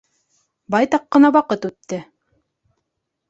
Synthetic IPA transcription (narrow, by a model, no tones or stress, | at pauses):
bɑjt̪ɑqːɤ̆nɑwɑqɤt̪ʉt̪ːɘ